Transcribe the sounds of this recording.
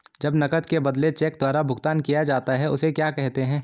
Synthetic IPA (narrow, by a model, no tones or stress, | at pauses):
d͡ʒɐbnɐkət̪kebɐd̪let͡ʃɛːk̚d̪waːɾabʱʊɡt̪aːnkijad͡ʒaːt̪aɦɛʊsekjaːkɛɦt̪eɦɛ̃ː